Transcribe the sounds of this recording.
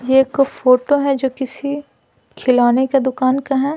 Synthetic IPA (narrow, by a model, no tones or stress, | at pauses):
jeːkfoːʈoɦɛd͡ʒoːkɪsi | kʰɪlaːneked̪ʊkaːnkaɦɛː